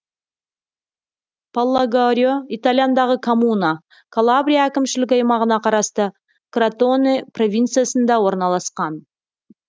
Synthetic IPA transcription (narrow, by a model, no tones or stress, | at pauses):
palˠːaɡaɾʲijoit̪alʲjand̪ɑʁəkʰomuna | kʰalˠabɾʲijaækʲɪmʃɪlɪk̬ʲɑjmɑʁənɑqʰɑɾɑst̪ə | krat̪oneprovʲijnt̪sɨjasənd̪ɑwo̞ɾnɑlˠɑsqɑn